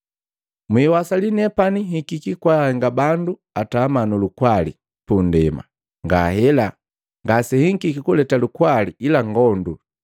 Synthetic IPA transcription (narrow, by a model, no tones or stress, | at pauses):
mwiwasalinɛpaniɦikikikwahɛŋɡabandu | atamanulukwalḭ | pundɛma̰ | ŋɡahɛla | ŋɡasɛhiŋkikikulɛtalukwaliilaŋɡɔndu